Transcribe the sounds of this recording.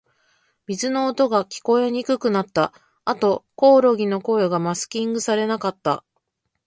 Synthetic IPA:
mʲizɨno̞ːt̪o̞ɡakʲi̥ko̞e̞ɲ̟ikɯ̟kɯ̟nat̪ːa | at̪o̞ko̞ːɾo̞ɡʲino̞ko̞ːjoɡamasɨ̥kʲĩŋɡɯ̟saɾe̞nakat̪ːa

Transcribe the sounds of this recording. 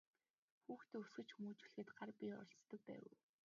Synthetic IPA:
xuːxt̪ːɵsɡɘ̆t͡ɕxumuːt͡ɕuɮxɘ̆t̪ɢarpʲiɔ̰ɮt͡st̪ːə̆k̚pæ̰ːw

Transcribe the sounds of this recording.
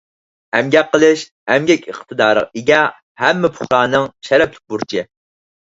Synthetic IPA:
ɛmɡʲɛqːəlˠɨʃ | ɛmɡʲɛkʲəχt̪ʰɨd̪ɑːɾə̰ʁiɡʲɛ | hɛmːɪpʰʊ̥χɾɑːnɨŋʃɛɾɛplɪk̚ʲbuɾt͡ʃʰɪ

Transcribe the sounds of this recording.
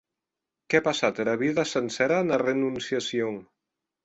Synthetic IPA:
kɛpasat̪eɾaβ̞iðəsənsɛɾanərenunsiasioŋ

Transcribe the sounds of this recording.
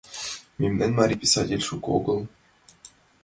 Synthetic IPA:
mʲemʲnɘnʲmɑɾʲipʲisɑtʲelʲʂukɤo̰ɡɤ̆lˠ

